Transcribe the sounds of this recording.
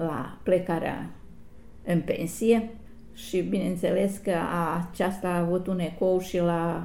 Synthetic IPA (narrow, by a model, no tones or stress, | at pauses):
la̰plekaɾea̰ | ɨnpe̞̰nsije̞ | ʃibine̞ɨnt̪se̞le̞skəat͡ʃast̪aːvut̪uneko̞wʃila